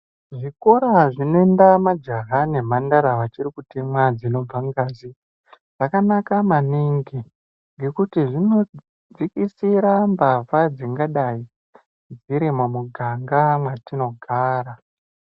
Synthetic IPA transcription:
ʐiko̞ɾaʐino̞endamad͡ʒaɦane̞mandaɾaʋat͡ʃiɾikutemwad͡zino̞b͡vaŋɡaːzi | ʐ̥akanakamaniŋɡi | ŋɡe̞kutiʐino̞ | d͡zikisiɾambavad͡ziŋɡaɗai | d͡ziɾimomuɡʱaŋɡamwatino̞ɡʱaːɾa

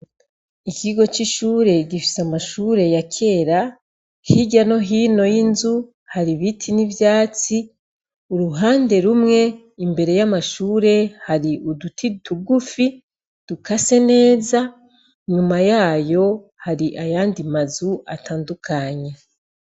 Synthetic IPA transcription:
ikiɡo̞t͡ʃiʃuːɾe̞ɟifi̥samaʃuːɾe̞jakʰe̞ːɾa | hiɟano̞ɦiːno̞jinzu | haɾiβitʰinivjaːt͡si | uɾuɦaːnde̞ɾumŋe̞ | imbe̞ɾe̞jamaʃuːɾe̞haɾiʔudutʰituɡufi | d̥ukʰase̞ne̞ːza | ɲumajaːjo̞ | haɾiʔajaːndimazua̰tʰaːndukʰaɲe

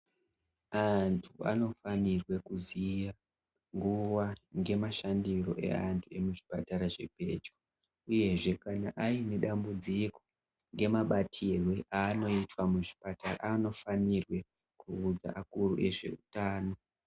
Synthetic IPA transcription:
antʰua̰no̞fanirwe̞kuzija | ŋɡuwaŋɡe̞maʃandiro̞̰ʔe̞̰antʰue̞muʐipataɾaʐe̞̰bʱe̞̰d͡ʒo | uje̞ʐe̞kanaʔaine̞ɗambud͡ziko̥ | ŋɡe̞maɓatʰirweʔaːno̞itwamuʐipatara̰ano̞fanirwe̞ | kʰuːd͡za̰ʔakuruʔe̞ʐe̞̰utaːno̞

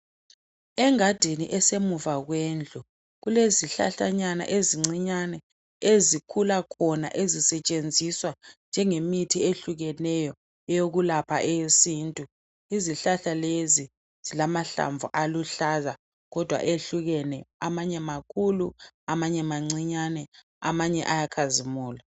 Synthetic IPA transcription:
ɛŋad̥ʱiniʔɛsemuvaɣwend͡ɮʱu | ɣuleziɬa̰ɬaɲana̰ʔeziŋ͡ǀiɲanɛ | ezikʰulakʰɔna̰ʔezisɛt͡ʃʼend͡zʱiswand͡ʒʱɛŋemitʰieɬuɣɛnɛjɔ | ɛjoɣulapʰaʔɛsiːntʼu | iziɬaɬalezi | z̥ilamaɬa̰ɱvuʔaluɬaza | ɣɔd̥ʱwa̰ʔeɬuɣɛnɛamaɲɛmakʰulu | amaɲɛmaŋ͡ǀiɲanɛ | a̰maɲɛ̰ʔajakʰazimuːla

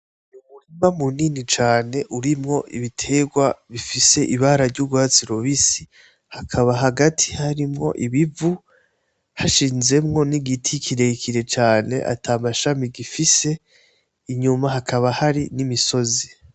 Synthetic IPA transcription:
numuɾimamuniːnit͡ʃaːne̞ʔuɾimŋo̞ʔiβitʰe̞ɡwaβifise̞ʔiβaːɾaɾɟuɡwaːt͡siɾoβisi̥ | hakʰaβaɦaɡatʰi̥haɾimŋo̞̰ʔiβivu | haʃiːnze̞mŋo̞niɡitʰikʰiɾe̞kʰiɾe̞t͡ʃaːne̞̰ʔa̰tʰamaʃamiɡifise̞ | iɲumaɦakʰaβahaɾinimiso̞zi

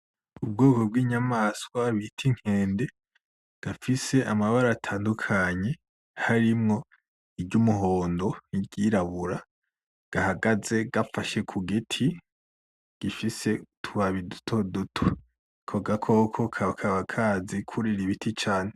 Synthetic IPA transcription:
ub̚ɡoːko̞b̚ɡiːɲamaskwaβitʰiŋ̥he̞ːnde̞ | ɡ̥afise̞ʔamaβaɾaːtʰaːndukʰaɲe̞ | haɾimŋo̞ | ibɟumuɦo̞ːndo̞niɟiɾaβuɾa | ɡ̥ahaɡaze̞ɡ̥afaʃe̞kʰuɡetʰi | ɡ̥ifise̞tʰuβaβidu̥tʰo̞dutʰo | kʰoɡakʰo̞kʰo̞kʰakʰaβakʰaːzikʰuɾiɾiβitʰit͡ʃaːne̞

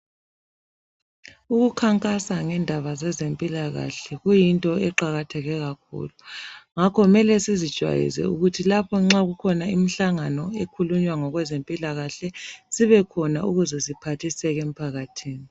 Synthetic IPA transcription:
uɣukʰaŋkʼasaŋɛndʱaβazɛzempʼilaɣa̰ɬɛɣujintʼɔɛǃaɣatʰɛɣɛɣak̚ʰṵːluŋakʰɔmɛlɛsizid̥ʒ̥ʱwa̰jḭzɛ̰uɣutʰilapʰɔŋ͡ǁaɣukʰɔnaimiɬaŋanɔekʰuluɲwaŋɔɣwɛzempʼilaɣaɬɛsiβɛkʰɔnauɣuzɛzipʰatʰisɛɣem̩pʰaɣatʰiːni

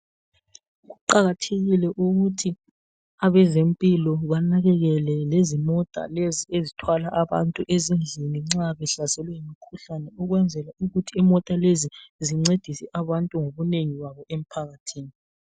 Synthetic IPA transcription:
ɣuǃaɣatʰeɣilɛʔuɣutʰi | aβɛzempʼilɔβanaɣɛɣɛlɛlezimɔtʼa̰leziezitʰwalaʔaβa̰ntʼuʔezind͡ɮʱiniŋ͡ǁaβɛɬazɛlɛjimikʰuɬanɛuɣwɛnd͡zʱɛlauɣutʰiimɔtʼaleziziŋ͡ǀed̥ʱisɛʔaβantʼuŋoβuneŋiwaβɔʔem̩pʰaɣatʰiːni

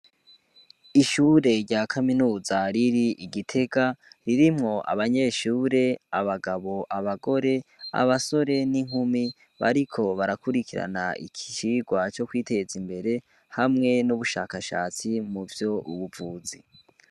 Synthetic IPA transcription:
iʃuːɾe̞ɾɟaːkʰaminuːzaɾiɾiiɡitʰe̞ɡaɾiɾimŋo̞ʔa̰βaɲe̞ːʃuːɾe̞aβaɡaβo̞ʔaβaɡo̞ɾe̞a̰βaso̞ɾe̞niŋ̥humi | βa̰ɾikʰo̞βaɾakuɾikiɾa̰naḭkʰi̥t͡ʃiɡwat͡ʃo̞kwiːte̞zimbe̞ɾe̞ | hamŋe̞nuβuʃa̰ːkaʃa̰ːt͡simuvjo̞uβuvuːzi

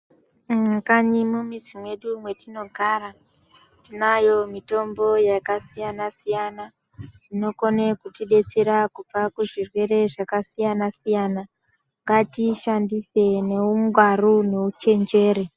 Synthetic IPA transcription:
kaɲimumizimwe̞ɗumwe̞tino̞ɡʱaːɾa | tinajo̞mito̞mbo̞jakasijanasijana | ino̞ko̞nekutiɗe̞t͡seɾakup͡fakuʐirwe̞ɾe̞ʐakasijanasijana | ŋɡatiʃandise̞ne̞uŋɡʱwarune̞ut͡ʃe̞nd͡ʒe̞ːɾe

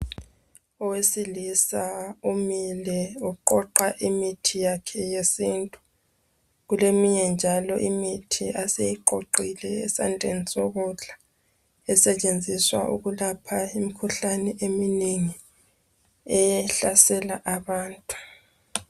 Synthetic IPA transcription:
ɔwesilisaumilɛuǃɔǃaʔimitʰijakʰɛjesintʼu̥ | ɣulemiɲɛnd͡ʒʱalɔʔimitʰiʔasejiǃoǃilɛːsandʱʼenisɔɣuɮʱa | ɛsɛt͡ʃʼend͡zʱiswa̰ʔṵɣulapʰaimikʰuɬanɛʔemineŋi | ɛjɛɬasɛlaʔaβaːntʼu̥

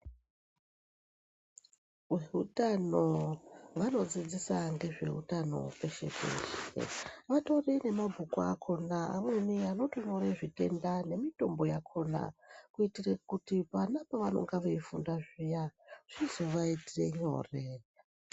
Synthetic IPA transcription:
weɦutanoʋano̞d͡zid͡zisaŋɡe̞ʐe̞̰ɦṵtano̞̰pe̞ʃe̞̰pḛt͡ʃḭʋato̞rine̞mabʱukoakʰo̞naa̰mweniano̞toɲoreʐite̞̰ndane̞mito̞mbo̞jakʰona̰kuitirekutipanapaʋano̞̰ŋɡaʋeifundaʐijaʐ̥izoʋaitire̞ɲo̞̰ːre

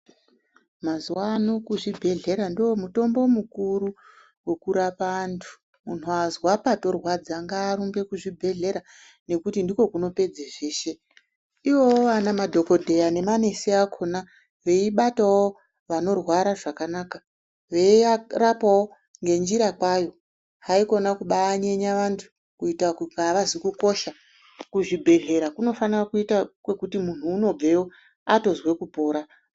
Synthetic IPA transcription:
mazuwaːno̞kuʐibʱe̞ɮe̞ɾandoomuto̞mbo̞mukuɾu | wekuɾapantʰu̥ | mun̤uazwapato̞rwad͡zaŋɡaːɾuŋɡe̞kuʐibʱe̞ɮe̞ɾa | ne̞kutindiko̞kuno̞pe̞d͡zeʐeːʃe̞ | iwo̞ʋanamadʱo̞ko̞dʱe̞jane̞mane̞seakʰo̞na | ʋe̞iɓatawo | ʋano̞rwaɾaʐakanaːka | ʋe̞arapawo̞ | ŋɡe̞nd͡ʒiɾakwajo̞ | ɦaiko̞nakuɓaːɲe̞ɲaʋantʰu̥ | kuitakuɡaʋazikuko̞ʃa | kuʐibʱe̞ɮe̞ɾakuno̞fanirakuitakwe̞kutimun̤uːno̞b͡ve̞wo | ato̞zwe̞kupo̞ːɾa

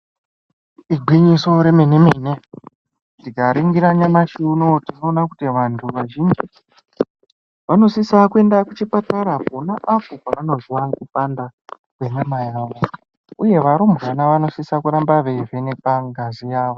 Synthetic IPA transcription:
iɡʱwiɲiso̞ɾemenemene | tiɡaɾiŋɡiɾaɲamaʃinotino̞ːnakutiʋantʰuʋaʒind͡ʒi | ʋano̞sisakue̞ndakut͡ʃipataɾaponaʔafukaʋano̞zwakupanda | wenamajaːʋo̞ | uje̞ʋaɾombanaʋano̞sisakuɾambaʋeve̞nepaŋɡazijaːʋo

